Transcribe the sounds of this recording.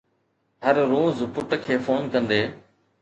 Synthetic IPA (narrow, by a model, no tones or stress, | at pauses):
ɦəɾːoːzpʊʈkʰeːfoːnkə̃nd̪eː